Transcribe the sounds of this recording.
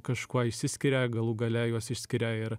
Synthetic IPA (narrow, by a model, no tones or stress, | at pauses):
kɐʃkuɔɪʃʲsʲɪsʲkʲɪɾʲæɡɐlˠuːɡɐlʲæjuɔsɪʃʲsʲkʲɪɾʲæːɪɾ